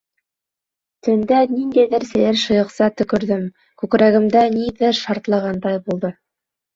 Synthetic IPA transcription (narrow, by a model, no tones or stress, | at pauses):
t̪ɵ̆nd̪æniŋd̪æjðɘɾsɘ̆jɘɾʃɤ̆jɤ̆qsɑt̪ɵ̆kɵ̆ɾðɘm | kʉkɾæɡɘ̆md̪ænid̪ɘʃɑɾt̪lˠɑʁɑnd̪ɑjbulˠd̪ɤ